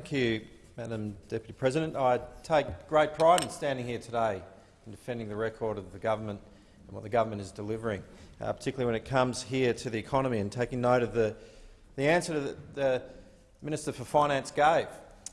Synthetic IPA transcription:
θŋkʰjʉ | mæɾɨ̃md̥ɛpjɨɾipʰɹ̥ɛzɨɾɨ̃ntaɪtʰeɪk̚ɡ̥ɹeɪt̚pʰɹ̥aɪɾ̃n̩stæ̃ndɪ̃ŋhiɹtʰɨdeɪ̃ | n̩dɨfɛ̃ndɪ̃ŋðɨɹɛkʰɔɹɾʌvðɨɡʌvə˞mə̃nt | nwʌt̪̚ðɨɡʌvə˞mɨ̃ñɨzdəlɪvə˞ɪ̃ŋ̰pʰə̥˞tʰɪkjl̩ˠiwə̃nɨt̚kʰʌ̃mz̥hiɹɾɨðiɨkʰɑnəmiɨ̃ntʰeɪkɪ̃ŋnoʊɾʌvðɨ | ðiæ̃nsə˞ɾɨðɨt̚ðɨ | mɪ̃ñɨstə˞fə˞fãɪ̃ñæ̃nsɡ̥eɪv̥

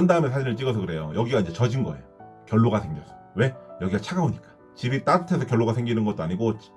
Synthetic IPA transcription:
ʌndaɦɯmensʰad͡ʑinɯɭt͡ɕ͈iɡʌsʰʌkɯɾe̞jojʌɡiɡaind͡ʑe̞t͡ɕʌd͡ʑinɡʌe̞̰jokjʌɭːoɡasʰe̞ŋɡjʌsʰʌ̥we̞jʌɡiɡat͡ɕʰaɡaboɲik͈ḁ | t͡ɕibit͈aɡutʰe̞sʰʌkjʌɭːoɡasʰeŋɡinɯnɡʌt̚t͈oaɲiɡot͡ɕ

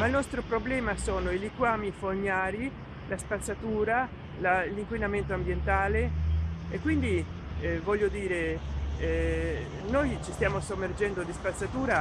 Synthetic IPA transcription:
mailnɔst̪ɾopɾoblɛːmasoːnoilikwaːmifoɲːaːɾi | laspat̪sːat̪uːɾa | laliŋkwinament̪oambjent̪aːleekːwind̪ivɔʎːod̪iːɾe | nojt͡ʃist̪jaːmosomːerd͡ʒɛnd̪od̪ispat̪sːat̪uːɾa

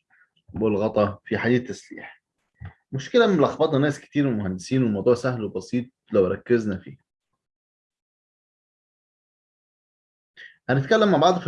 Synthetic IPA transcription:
bolɣɑt̪ˤɑfiħaiːt̪ːæslḭːħ | mʊʃkelæmelʔɑxbɑːt̪ˤnɑnæːskɪ̥t̪iːɾwemʊhænd̪esiːnwemɑwd̪ˤuːʕsæhlwebɑsiːt̪̚ˤlæwɾˤɑkːeznæfḭː | ʔænet̪kælːæmːaʕbɑʕd̪ˤf

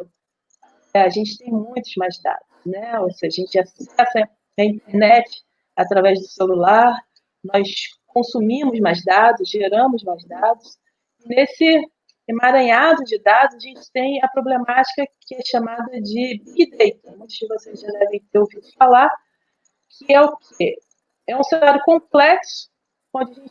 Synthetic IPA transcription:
ɛaʒẽnt͡ʃɪ̥t̪ẽj̃mũj̃t̪ʊzmajzd̪a̰d̪̥ʊsnɛoseʒɐʒẽnt͡ʃɪasɛsɐ | ɐĩnt̪eɾnɛt͡ʃɪ̥ | at̪ɾavɛzd̪ʊselulaɾ | nɔjskõsumĩmʊzmajzd̪ad̪ʊzʒeɾɐ̃mʊzmajzd̪ad̪ʊs | ɪnesɪ | maɾɐ̃ɲad̪ʊd͡ʒɪd̪ad̪ʊzaʒẽnt͡ʃɪ̥t̪ẽj̃ɐpɾoblemat͡ʃi̥kɐkɪɛʃamad̪ɐd͡ʒɪbiɡid̪ejt̪ɐnɛ̃sɪvosezʒad̪ɛvẽj̃t̪eɾowvid̪ʊfalaɾ | kʰɪɛʊkʰɪ | ɛũsenaɾjʊkõplɛksʊ̥ | õnd͡ʒɪɐʒẽnt͡ʃ

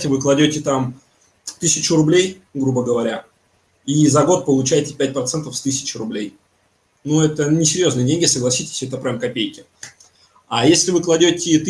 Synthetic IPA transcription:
tʲɪvɨklˠɐdʲotʲɪt̪am | t̪ɨsʲɪt͡ɕʊɾʊblʲej | ɡɾubəɡəvɐɾʲa | izɐɡo̞t̪̚pəlˠʊt͡ɕæjtʲɪ̥pʲæt̚ʲpɾɐt̪sɛnt̪əfst̪ɨsʲɪ̥t͡ɕɪɾʊblʲej | nuɛt̪ənʲɪsʲɪɾʲjo̞znɨədʲenʲɡʲɪsəɡlˠɐsʲitʲɪ̥sʲɛt̪əpɾʲamkɐpʲejkʲɪ | ajesʲlʲɪvɨklˠɐdʲotʲɪt̪

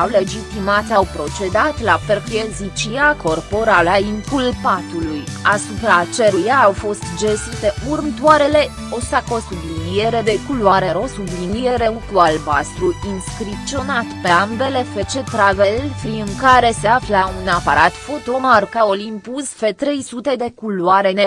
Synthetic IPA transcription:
awle̞d͡ʒit̪imat̪awpɾo̞t͡ʃe̞d̪at̪laperfiezit͡ʃiako̞rpo̞ɾalaiŋkulpat̪ulujasupɾat͡ʃeɾujaːwfo̞st̪d͡ʒesɨt̪e̞urmt̪uaɾe̞le̞ | o̞sako̞sublinijeɾe̞d̪e̞kuluaɾe̞ɾo̞sublinijeɾe̞ukualbast̪ɾuinskɾip̚t̪t͡ʃio̞nat̪pe̞ambe̞le̞fet͡ʃe̞t̪ɾavelfɾiɨŋkaɾe̞se̞aflaunapaɾat̪fo̞t̪o̞markaolimpusfe̞t̪ɾe̞jsut̪e̞d̪e̞kulwaɾe̞ne

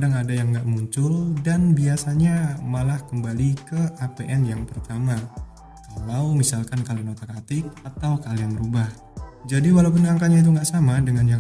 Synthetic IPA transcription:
kdaŋadajaŋɡaʔmuɲt͡ʃʊldanbiasaɲamalahkəmbalikəʔapeʔɛnjaŋpərt̪ama | kalawmisalkankalianot̪akat̪ɪk̚at̪awkalianɾubah | d͡ʒadiwalawp̬ʊnaŋkaɲait̪̬uŋɡaʔsamadəŋanjaŋ

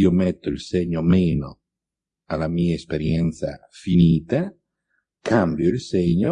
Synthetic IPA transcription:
iːomɛt̪ːoilseɲːomeːno̰ | alːamiːaespeɾjɛnt̪sa̰finiːt̪a | kʰambjoilsɛɲːo

